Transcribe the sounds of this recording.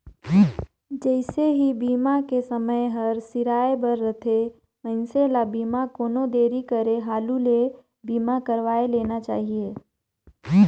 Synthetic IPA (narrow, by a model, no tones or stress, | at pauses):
d͡ʒɛɪseɦibiːmakesəməjɦɐɾsɪɾaːebəɾːət̪ʰe | mə̃ɪnselabiːmakoːnod̪eːɾikəɾeɦaːlule | biːmakɐɾʋaːeleːnat͡ʃa̰ːɦieː